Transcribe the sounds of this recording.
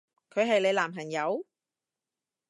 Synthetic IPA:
kʰɵ˨˧ɥɦɐ˨jle˨˧jlaː˨˩mɦɐ˨˩njɐ˨˧w

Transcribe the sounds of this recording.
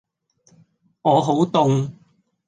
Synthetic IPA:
ŋɔː˨˧ɦo˨˥wt̪ʊ˧ŋ

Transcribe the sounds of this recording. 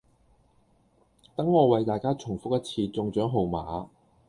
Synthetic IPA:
t̪ɐ˨˥ŋːɔː˨˧wɐ˨˧jt̪aː˨jkaː˥t͡sʰʊ˨˩ŋfʊ˥k̚jɐ˥t̚t͡sʰiː˧t͡sʊ˧ŋt͡ʃœː˨˥ŋɦo˨wmaː˨˥

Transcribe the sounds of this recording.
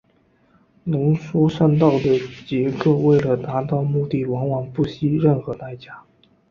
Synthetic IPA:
nɤ˧˥ŋʂwɔ˥ʂa˥˧nt̪ɑ˥˩ʊd̪ə˩t͡ɕjɛ˧˥kɤ˥˧we˥˩ɪlə˩t̪a˧˥t̪ɑ˥˧ʊmu˥˧t̪i˥˩wɑ˧˥ŋwɑ˨˩ŋpu˥˩ɕi˥ɻə˥˩nxɤ˧˥t̪a˥˩ɪt͡ɕja˥

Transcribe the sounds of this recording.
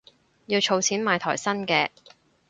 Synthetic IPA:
jiː˧wt͡ʃʰo˧wt͡sʰiː˨˥nmaː˨˧jt̪ʰɔː˨˩jsɐ˥nkɛː˧

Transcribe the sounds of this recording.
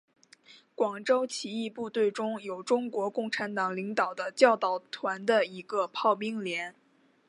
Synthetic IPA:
kwɑ˨˩ŋʈ͡ʂo˥ʊt͡ɕʰi˧˥i˥˧pu˥˧t̪we˥˩ɪʈ͡ʂʊ˥ŋjo˨˩ʊʈ͡ʂʊ˥ŋkwɔ˧˥kʊ˥˩ŋʈ͡ʂʰa˧˥nt̪ɑ˨˩ŋli˧˥ŋt̪ɑ˨˩ʊd̪ə˦t͡ɕjɑ˥˧ʊt̪ɑ˨˩ʊt̪ʰwa˧˥nd̪ə˧i˧˥ɡə˧pʰɑ˥˩ʊpi˥ŋljɛ˧˥n

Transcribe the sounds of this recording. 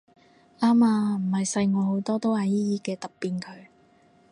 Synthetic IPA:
aː˥maː˧m̩˨˩hɐ˨jsɐ˧jŋɔː˨˧ho˨˧˥wt̪ɔː˥t̪o˥whaː˨˧˩jiː˥jiː˧kɛː˧t̪ɐ˨p̚pːiː˨nkʰɵ˨˧ɥ

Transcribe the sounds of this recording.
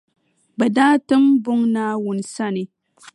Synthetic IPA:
ba˨daː˦tɨ˦mbʊ˦ŋna˦wʊ˨nsa˦ne˨

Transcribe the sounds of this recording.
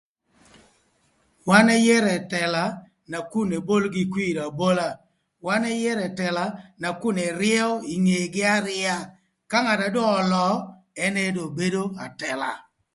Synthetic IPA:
wa˦nɛ˦jɛ˦ɾɛ˨tɛ˨la˨ | na˨ku˦˨ne˨bo˦lɡɪ˦kwi˦˨ɾa˨bo˦la˦ | wa˦nɛ˦jɛ˦ɾɛ˨tɛ˨la˨na˨ku˦nɛ˨ɾɪɛ˦ɔ˦i˨ŋe˨ɡɪ˦a˦ɾɪ˦a˦ | ka˦ŋa˨ta˨dɔː˦˨lɔ˨˦ | ɛ˦ne˦do˨be˦do˦a˨tɛ˨la̰˨

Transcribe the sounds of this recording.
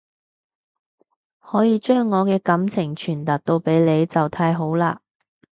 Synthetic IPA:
hɔː˨˥jiː˨˧t͡ʃœː˥ŋːɔː˨˧kɛː˧kɐ˨˥mt͡sʰɪ˨˩ŋt͡ʃʰyː˨˩nt̪ɐ˨t̚t̪o˧wpe˨˥jle˨˧jt͡sɐ˨wt̪ʰaː˧jɦo˨˥wlaː˧

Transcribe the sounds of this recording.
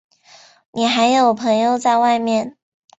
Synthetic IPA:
ni˨˩xa˧˥ɪjo˧˥˩ʊ˩pʰɤ˧˥ŋjo˥˧ʊt͡sa˥˧ɪwa˥˧ɪmjɛ˥˩n

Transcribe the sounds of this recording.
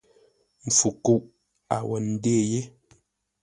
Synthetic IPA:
m̩˨fu˨ku˦ʔ | a̰˨wɛ˨n̩˦deː˦˨je˦

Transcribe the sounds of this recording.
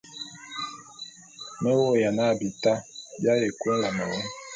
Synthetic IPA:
mɛ˦wo˦˨ja˨na˦˨bi˨ta˦bja˦je˨kwe˦la˨ma˨wɔ˦

